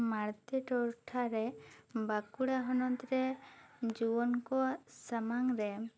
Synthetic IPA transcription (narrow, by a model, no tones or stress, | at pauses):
maɾt̪iʈɔɾʈʰaɾɛbakuɽaɦɔnɔt̪ɾɛd͡ʒubɔnkɔsamaŋɾɛ